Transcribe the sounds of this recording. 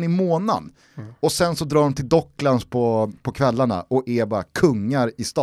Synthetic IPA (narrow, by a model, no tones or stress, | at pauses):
nɪmoːna̰n | ɔsɛnsɔd̪ɾɑːɖɔmt̪ʰɪld̪ɔkːlanspʰɔpʰɔkʰvɛlːaɳa̰ʔɔɛbɑːɾa̰kʰɵŋːaɾɪst̪ɑ